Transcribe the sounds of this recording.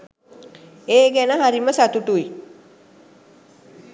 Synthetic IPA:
eːɡænəɦaɾiməsat̪uʈui

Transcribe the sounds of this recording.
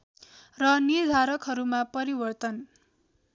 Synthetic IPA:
rʌnird̪ʱaɾʌkɦʌɾumapʌɾibʌrt̪ʌn

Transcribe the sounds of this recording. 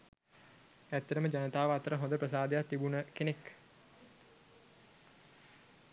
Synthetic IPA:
æt̪ːɐɾəməd͡ʒanət̪aːʋəat̪əɾəɦõnd̪əprəs̬aːd̪ejat̪ːibunəkenek

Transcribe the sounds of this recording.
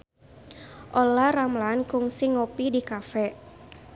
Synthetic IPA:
ʔɔlaramlankʊŋsɪŋopidikafɛ

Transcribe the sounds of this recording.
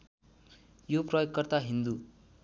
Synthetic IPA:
joprʌjokːʌrt̪aɦind̪u

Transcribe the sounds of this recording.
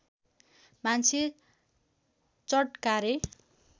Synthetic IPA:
mant͡sʰe | t͡sʌʈkaɾe

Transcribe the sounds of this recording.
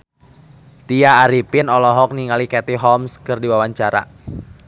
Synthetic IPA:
t̪iaːɾipɪnɔlɔɦɔk̚niŋalikɛt̪iɦɔmskɨrdiwawaɲt͡ʃaɾa̰

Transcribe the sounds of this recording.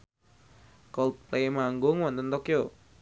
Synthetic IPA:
kɔlt̪̚plemaŋɡʊŋwɔnt̪ənt̪ɔkjo

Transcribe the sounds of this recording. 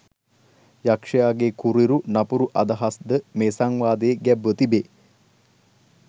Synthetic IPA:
jakʂɐjaːɡekuɾiɾunɐpuɾuʔɐd̪ɐɦasd̪əmeːsaŋʋaːd̪eːɡɛbːət̪ibeː

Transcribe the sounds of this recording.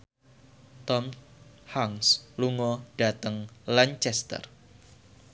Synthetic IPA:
t̪ɔmhaŋsluŋɔd̥a̤t̪əŋlaɲt͡ʃɛst̪ə̰r

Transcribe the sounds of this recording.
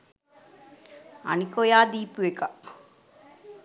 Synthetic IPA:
ɐ̰nikojaːd̪iːpueka

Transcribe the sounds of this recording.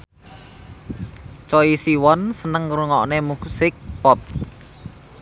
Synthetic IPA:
t͡ʃɔisiwɔnsənəŋruŋɔʔnemusɪk̚pɔp̚

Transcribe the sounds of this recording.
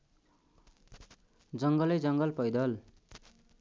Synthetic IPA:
d͡zʌŋɡʌlʌjd͡zʌŋɡʌlpʌjd̪ʌl

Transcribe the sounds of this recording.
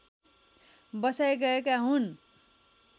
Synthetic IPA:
bʌsajɡʌekaɦun

